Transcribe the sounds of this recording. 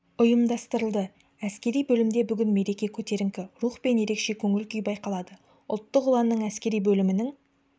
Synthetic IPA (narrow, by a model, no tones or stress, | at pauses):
ʊjəmd̪ɑst̪əɾəlˠd̪ə | æskʲe̞ɾijbɵlɪmd̪ebʏɡʲɪnme̞ɾe̞kʲe̞kʲʰɵt̪e̞ɾɪŋkʲɪɾuχpe̞nje̞ɾe̞kʃe̞kʲʰɵŋɪlkʲʏjbɑjqɑlˠɑd̪ə | ʊlˠt̪ːəqʊlˠɑnːəɴæskʲe̞ɾijbɵlɪmɪnɪŋ